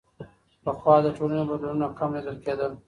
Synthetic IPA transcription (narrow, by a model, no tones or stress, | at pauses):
pəxwɑd̪əʈolanobad̪lununakamlɪd̪əlked̪əl